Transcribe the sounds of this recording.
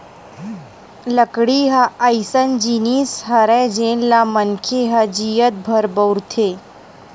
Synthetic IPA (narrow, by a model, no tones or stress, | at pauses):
ləkɽiɦaəjsənd͡ʒiniːsɦɐɾɛd͡ʒeːnlamənkʰeɦɐd͡ʒijət̪̚bʱəɾbəwɾt̪ʰeː